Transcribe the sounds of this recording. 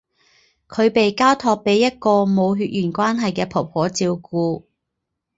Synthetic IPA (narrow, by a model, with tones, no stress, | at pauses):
kʰɵ˨˧ɥpe˨jkaː˥wt̪ʰɔː˧k̚pe˨˥jːɐ˥t̚kɔː˧mo˨˧wɦyː˧t̚jyː˨˩nkʷwaː˥nɦɐ˨jkɛː˧pʰo˨˩p̚hɔː˨˥t͡siː˧wkuː˧